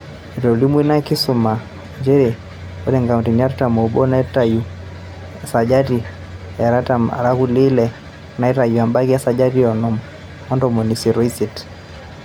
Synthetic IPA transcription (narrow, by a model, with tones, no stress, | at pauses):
i˨ɾɔ˨li˦mu˦i˦na˦ki˦suma˨ | d͡ʒɛ˦ɾɛ˨ | ɔ˦ɾɛ˦ŋɡa˨undi˨nia˦ɾtamɔ˨ubɔ˦naɛ˦taju˨ | sa˨d͡ʒa˦di˨ | ja˨ɾatama̰˨ɾa˦kuli˦lɛ | na˨ɛ˦ta˨ju˨a˨mba˦kia˦sa˨d͡ʒa˦ɾi˦ɔnɔ˦mɔ | ɔ˦ndɔmɔ˨ni˨si˨ɾisit